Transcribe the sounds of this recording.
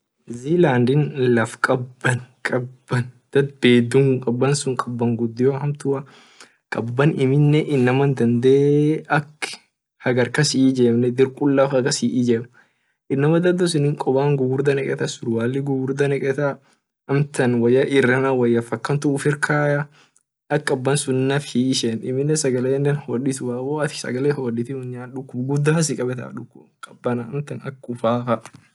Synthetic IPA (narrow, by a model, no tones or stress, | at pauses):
ziːlaːnd̪ɪnlɐfkʼɐbːɐnkʼɐbːɐnd̪̥ɐd̪̚beːd̪ʊŋkʼɐbːɐnsʊŋkʼɐbːɐŋɡʊd̪ːɪjoɦɐmt̪ʊɐ | kʼɐbːɐnɪmɪnːɛʔɪnːɐmɐnd̪ɐnd̪eːɐkː | hɐɡɐɾkɐsɪiːd͡ʒeːmnɛd̪ɪɾkʼʊlːaːfɐɡɐsiʔid͡ʒɛm | ʔɪnːɐmɐd̪ɐd̪ɔs̬ɪnɪŋkʼɔbaːŋɡʊɡʊɾd̪ɐnɛkʼɛt̪ɐsʊɾwaːlːɪɡʊɡʊɾd̪ɐnɛkʼɛt̪ɐ | ʔɐmt̪ɐnwɐjːɐʔɪrːɐnawɐjːɐfɐkːɐnt̪ʊʊfɪɾkʰaːjɐ | ʔɐkʼːɐbːɐnsʊnːɐfhiɪʃɛnɪmːɪnːɛsɐɡɐleːnːɛnhoːdɪt̪ʊbaːwoːɐt̪ɪ̥sɐ̰ɡɐleːhoːdɪt̪ɪhʊɲːaːnᶑʊkːʊbɡʊd̪ːaːɐs̬ɪkʼɐbɛt̪ɐ̰ᶑʊkːʊbkʼɐbːɐnɐɐmt̪ɐnɐkʊfaːfɐʔ